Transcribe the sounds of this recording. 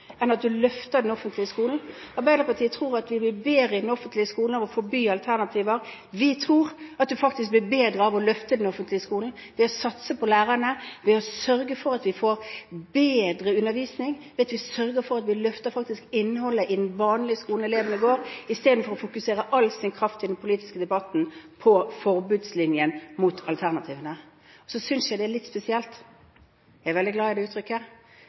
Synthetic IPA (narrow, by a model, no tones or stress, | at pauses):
ɛnɑt̪̚d̪ʉlœft̪əd̪ɛnɔfənt̪ʰlɪəskuːln̩ | ɑɾbæɪd̪əʁpɑʈʰiːət̪ʰʁuːɾɑt̪ʋɪb̪ɪbeːɾəɪd̪ɛnɔfənt̪lɪəskuːln̩ɑʋɔfɔbyːɑlt̪ʰæʁnɑt̪ʰiːʋəɾ | ʋɪt̪ʰɾuːʁɑt̪̚d̪ʉfɑkt̪ɪsk̚b̪ɪbeːd̪ʁəɑʋɔlœft̪əd̪ɛnɔfənt̪lɪəskuːln̩ | ʋɛɔsɑt̪səpʰɔlæːʁənəʋɛɔsœɾɡəfɔɾɑt̪ʋɪfoːɾbeːd̪ɾəʉnːəɾʋiːsnɪŋʋɛɑt̪ʋɪsœɾɡəɾfɔʁɑt̪ʋɪlœft̪əɾfɑk̚t̪ɪskɪnːhɔlːəʔɪd̪ɛnʋɑːnlɪəskuːln̩ɛleːʋənɪɡoːɾɪst̪eːd̪n̩fɔɾɔfʊkʉseːɾəʔɑlːsɪnkʰɾɑft̪ʰɪd̪ɛnpʰʊliːt̪ɪ̥skəd̪ɛbɑt̪n̩pʰɔfɔɾbʉːd̪slɪnjənmʊt̪ʰɑlt̪ʰæʁnɑt̪ʰiːʋənə | ɔsɔsʏnsjæɪd̪ɛlɪt̪ːspɛsɪɛlt̪ | jæɪæʁʋɛld̪ɪɡlɑːɪd̪ɛʉːt̪ɾʏkːə